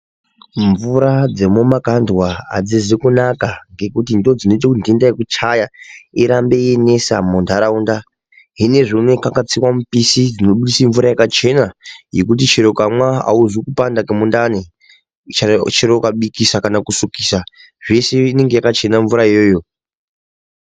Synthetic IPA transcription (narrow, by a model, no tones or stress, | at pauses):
ɱvuɾad͡ze̞momakandwaa̰d͡zizikunakaŋɡe̞kutindo̞d͡zino̞it̬ekundindajekut͡ʃajaiɾambeene̞samondaɾaunda | ɦine̞ʐimwekakat͡siwamupisid͡zino̞ɓuɗisiɱvuɾajakat͡ʃe̞naje̞kutit͡ʃeɾokamwaa̰uʐikupandakemundane | t͡ʃat͡ʃeɾokaɓikisakanakusukiːsa | ʐe̞seine̞ŋɡe̞jakat͡ʃe̞naɱvuɾaijoːjo